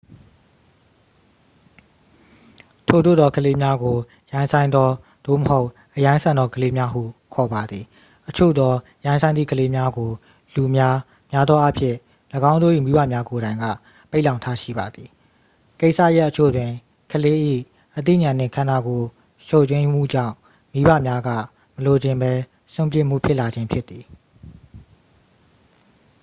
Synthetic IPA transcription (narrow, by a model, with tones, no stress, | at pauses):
tʰo˨d̪o̰˦˨d̪ɔ˦kʰəle˦mja˦ɡo˨ | jã˦ɪ̃nsʰã˦ɪ̃nd̪ɔ˦ | d̪̥o̰˦˨məho˦ʊʔ | ʔəjã˦ɪ̃sʰã˨nd̪ɔ˦kʰəle˦mja˦ɦṵ˦˨kʰɔ˨ba˨d̪ði˨ | ʔət͡ɕʰo̰˦˨d̪ɔ˦ | jã˦ɪ̃sʰã˦ɪ̃ni˦˨kʰəle˦mja˦ɡo˨ | lu˨mja˦ | mja˦d̪ðwɔ˦ʔa˦pʰjɪ̰̃˦˨ | lə˨ɡã˦ʊ̃o̰˦˨i˦˨mi˦ba̰˦˨mja˦ko˨ɾã˨ɪ̃ŋɡa̰˦˨ | pe˦ɪʔlã˨ʊ̃ntʰa˦ʃḭ˦˨ba˨d̪ði˨ | ke˦ɪʔsä̰˦˨ja˦ʔət͡ɕʰo̰˦˨dwɪ̃˨ | kʰəle˦ʔḭ˦˨ | ʔət̪̬ḭ˦˨ɲã˨nɪ̰̃˨ŋkʰã˨na˦˨ɡo˨ | ʃo˦˨t͡ɕwɪ̃˦m̥ṵ˦˨d͡ʑã̰˦˨ʊ̃ | mi˦bä̰˦˨mja˦ɡä̰˦˨ | məlo˨d͡ʑɪ̃˨mbɛ˦ | sõ˦˨mpjɪ̃˦˨m̥ṵ˦˨pʰjɪ˦ʔla˨d͡ʑɪ̃˦mpʰjɪ˦t̪ːi˨